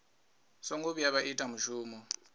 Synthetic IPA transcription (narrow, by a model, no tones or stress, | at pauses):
sɔŋɡuβijaβaʔitʼamuʒuːmɔ